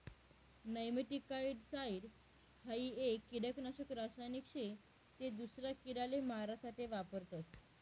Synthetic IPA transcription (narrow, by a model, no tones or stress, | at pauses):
nəjmiʈikːaiɽsaiɽ | haiekːiɽəknaɕəkɾasajnikʂe | t̪ed̪usɾjakiɽalemaɾasaʈeʋapəɾt̪ət̪